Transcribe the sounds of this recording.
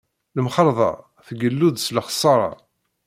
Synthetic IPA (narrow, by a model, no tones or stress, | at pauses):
ləmχəɾˤðˤɑ̰ | θɡəlːuðsləχə̥sˤːɑɾˤɑ̰